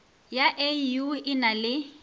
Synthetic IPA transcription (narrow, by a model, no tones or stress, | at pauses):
jaʔejuɪnalɪ